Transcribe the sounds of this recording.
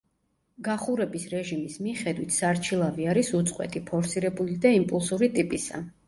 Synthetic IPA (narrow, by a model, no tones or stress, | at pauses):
ɡaχuɾɛbisɾɛʒimismiχɛd̪wit̪ʰsaɾt͡ʃʰilˠaviaɾisut̪sʼqʼwɛ̰t̪ʰipʰɔɾsiɾɛbulid̪aimpʼulˠsuɾit̪ʼipʼisa̰